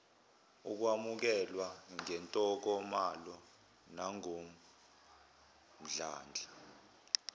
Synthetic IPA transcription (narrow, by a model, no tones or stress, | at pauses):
uk̬wamuk̬ɛlwaŋɛntʼɔk̬ɔmalɔ | naŋom | m̩ɮaːnd͡ɮʱi